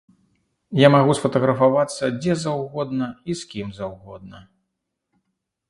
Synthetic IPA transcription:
jamaɣusfɐt̪ɐɣɾɐfavat̪sːɐd͡zʲɛzawɣɔd̪nɐiskʲimzawɣɔd̪̚nɐ

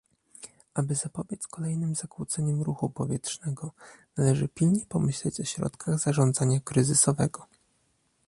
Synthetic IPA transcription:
ʔabɘzapɔbʲjɛt̪skɔlɛjnɘmzakwut̪sɛɲɛmɾuxupɔvʲjɛtʂnɛɡɔnalɛʐɘpʲilɲɛpɔmɘɕlɛt͡ɕɔɕɾɔ̰t̪kʰaɣzaʐɔnd̪zaɲakɾɘzɘsɔvɛɡɔ

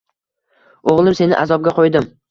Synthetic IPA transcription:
oʁlˠɪmse̞nɪ̰ʔazɒb̚ɡʲaqʰojd̪ɪm

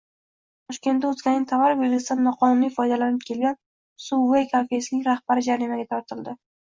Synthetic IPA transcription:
t̪ʰɒʃkʲe̞nt̪ːaʊzɡʲanɪŋʲt̪ʰavaɾɪpjelɡʲɪsd̪anːɒqʰɒnʊnifɒjd̪alanɪp̚kʲʰe̞lɡʲan | suwejkʰafe̞sɪnɪŋʲɾahbaɾɪd͡ʒaɾimaɡʲat̪ʰɒɾt̪ʰɪld̪ɪ

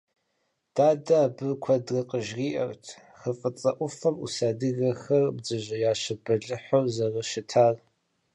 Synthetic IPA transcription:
d̥aːdɐaːbɨrkʷʰɐdrɨqʼəʒʁiːʔɐrtʰ | xəfʼɨt͡sʼɐʔʷʊfɐmṵsaːdɨɣɐxɐrbd͡zɨʑʷɐjaːɕɪbɐɮɨħʷorzɐrɐʃɪtʰaːr

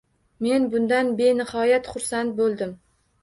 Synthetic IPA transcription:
me̞nbʊnd̪anbe̞nɪhɒjat̪χʊɾsant̪̚bolˠd̪ɪm

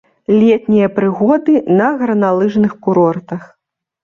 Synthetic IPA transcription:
lʲɛt̪nʲijɐpɾɨɣɔd̪ɨnɐɣɾɐnalˠɨʐnɨxkuɾɔrt̪ɐx

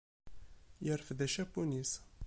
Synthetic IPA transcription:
jəɾfðæʃæpunis

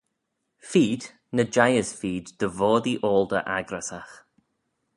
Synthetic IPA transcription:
fiːd̪̥ | nəd͡ʒajəsfiːd̪d̪əvɔːd̪iʔoːlˠd̪ə̰ʔaɡɾasax

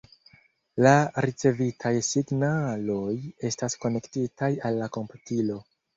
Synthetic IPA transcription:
laɾit͡se̞vitʰajsiɡnalo̞je̞stasko̞ne̞ktitʰajalːako̞mputilo̞

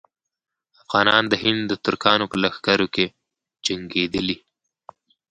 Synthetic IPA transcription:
afɣɑːnɑnd̪əɦɪnd̪d̪ət̪ʊɾkɑːnopəlaxɡaɾoke | d͡ʒaŋɡed̪əli

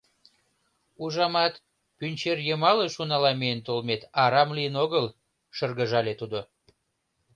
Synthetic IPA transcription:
uʒɑmɑt̪ | pynʲt͡ɕerjəmɑleʃunɑlɑmejənt̪olmet̪ɑɾɑmlijənoɣəl | ʃərɣəʒɑlet̪ud̪o

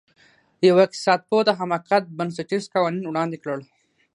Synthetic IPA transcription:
jawaɪk̚t̪i̥sɑːt̪̚pot̪aɦamakat̪̚bənseʈiskɑwɑninwɽɑnd̪ikɽəɭ

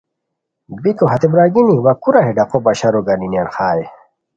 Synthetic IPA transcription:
bikoɦɐt̪ebɾaɡiniwakuɾaɦeɖaqobaɕaɾoɡaninianxaːj

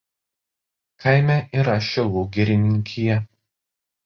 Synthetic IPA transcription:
kɐɪmʲɛʔiɾɐʃʲɛlˠuːɡʲɛɾʲɪnʲɪŋʲkʲʰɪjɛ

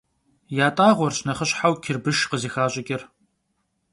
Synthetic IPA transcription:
jaːtʼaːʁʷɔrɕnɐχəɕħawkʰɪrbɨʃqəziːxaːɕʼɪkʲʼɪr

